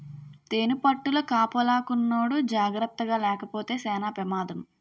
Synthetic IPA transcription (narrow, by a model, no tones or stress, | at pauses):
t̪eːnupɐʈːulɐkaːpɐlaːkunːoːɽud͡ʒaːɡɾɐt̪ːɐɡaːlɛːkɐpo̞ːt̪e̞ːsɛːnaːpɾɐmaːd̪ɐm